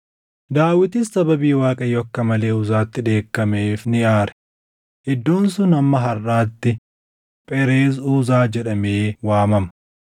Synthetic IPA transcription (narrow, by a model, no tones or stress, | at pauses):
d̪aːwɪt̪ɪsːɐbɐbiːwaːkʼɐjɔɐkːɐmɐle̞ːʊzaːt̪ːɪᶑe̞ːkːɐme̞ːfnɪjaːɾɛ̥ | ʔɪd̪ːuːnsʊnɐmːɐɦɐrʔaːt̪ːɪ | pʼɛɾeːzuːzaːd͡ʒɛᶑɐmeːwaːmɐmɐ̥